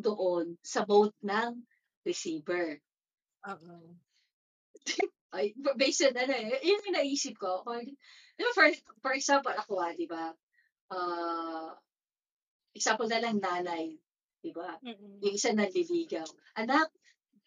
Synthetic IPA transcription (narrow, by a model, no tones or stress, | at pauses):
d̪oʔonsɐbowt̪̚nɐŋ | d̪ɪsiːbɛɹ | ʔoʔo | ʔajfbɛjsɐnɐnoɛʔjʊŋjʊŋnɐʔiːsɪp̚kokod̪ɪbafɔɹfɔɹɛksampolɐkoad̪ɪba | ʔaː | ʔɛk̚sampɔlnɐlɐŋnaːnɐj | d̪̥ɪbajʊŋɪsanɐɡliliːɡɐw | ʔɐnak̚